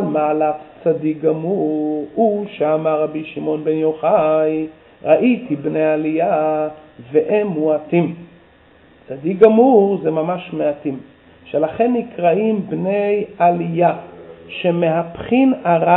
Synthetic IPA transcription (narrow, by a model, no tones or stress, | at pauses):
lmaːlatt͡sadik̚ɡamuʁuʃeamaʁːabiʃimo̞nbenjoχaj | ʁaʔitibnejalija | veʔemːuatim | t͡sadik̚ɡamuʁzemamaʃmeatim | ʃelaχe̞nːikʁaimbne̞jalijaʃemeɦapχinaʁa